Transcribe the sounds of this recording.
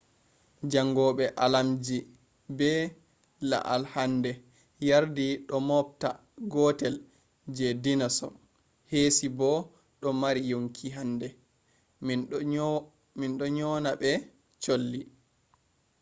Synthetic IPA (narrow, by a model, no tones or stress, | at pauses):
d͡ʒaŋɡɔɓɛʔalamd͡ʒi | bɛ | la̰ʔalhandɛ | jaɾdiɗɔmɔp̚ta | ɡɔtɛl | d͡ʒɛdinasɔ̰ | hesibɔ | ɗɔmaɾijoŋkʰiɦandɛ | minɗɔɲɔːnaɓɛ | t͡ʃolːi